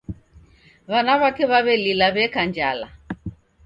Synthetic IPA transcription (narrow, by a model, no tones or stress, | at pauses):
βanaβakɛβaβɛlilaβɛkand͡ʒala̰